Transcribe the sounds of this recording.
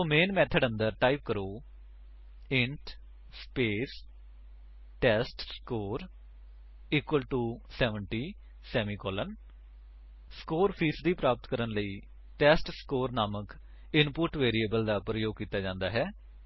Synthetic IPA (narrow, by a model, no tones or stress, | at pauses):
oːmeːnmɛːt̪ʰəɖə̃nd̪əɾʈaːip̚kəɾoː | ɪɳʈ | speːs | ʈɛːsʈskoːɾ | ɪkwəlʈuːsɛːʋəɳʈiː | sɛːmiːkɔːlən | skoːɾpʰiːsd̪iːpɾaːpət̪kəɾənləiː | ʈɛːsʈskoːɾnaːmək | ɪnpʊʈʋeːɾieːbəld̪aːpɾəjoːɡ̚kiːt̪aːd͡ʒãːnd̪aːɦɛː